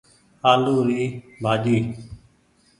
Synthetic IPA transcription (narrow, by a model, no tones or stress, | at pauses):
aːluːɾiː | bʱaːd͡ʒiː